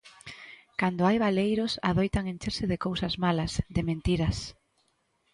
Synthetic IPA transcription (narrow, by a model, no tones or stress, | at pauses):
kand̪oajβalejɾʊsa̰ðojt̪aŋẽnt͡ʃeɾsɪðɪkowsɐzmalɐsðɪmẽnt̪iɾɐs